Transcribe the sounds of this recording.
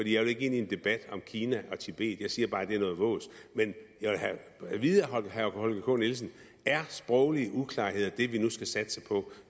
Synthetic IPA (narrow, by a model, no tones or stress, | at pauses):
fɒd̥ḭːjɑ̈ʋe̝le̝ɡ̥e̝nie̝nd̥e̝b̥æd̥ɒ̽mkʰiːnæʔɒ̽t͡sʰib̥e̝̰ːð̩ˠjɑ̈ɪsiːɐb̥ɑ̈ːd̥e̝æɐnɔ̽ːðˠʋɔ̰̽ːsmenjɑʋelhæʋiðˠɐɦɒ̽lɡ̥əhækhɒ̽lɡ̥əkʰɔ̰ːnils̬n̩ | æɐsb̥ʁɒʊliəʔukʰlɑ̰̈ːhe̝ð̞̰ˠɐd̥e̝ʋinusɡ̥æsæd̥ə̥sɑɪpʰɒ̽